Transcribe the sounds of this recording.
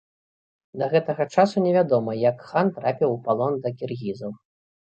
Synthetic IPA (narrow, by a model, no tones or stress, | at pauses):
d̪ɐɣɛt̪ɐɣɐt͡ʂasunʲɛvʲad̪ɔmɐjɐkxant̪ɾapʲiwpalˠɔnd̪ɐkʲirɣʲizɐw